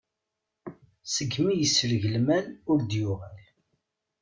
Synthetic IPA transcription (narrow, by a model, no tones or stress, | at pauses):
səɡːmijəsːələʝəlmælʊɾd̪jʊʁæl